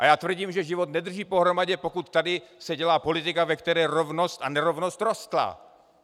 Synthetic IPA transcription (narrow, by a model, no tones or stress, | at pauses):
ʔajaːt̪vr̩ɟiːmʒɛʒɪvot̪nɛd̪r̩ʒiːpo̞ɦɾo̞maɟɛpo̞kut̪ːadɪsɛɟɛlaːpo̞lɪt̪ɪkavɛkt̪ɛɾɛːɾovnost̪anɛɾo̞vnost̪ɾost̪la̰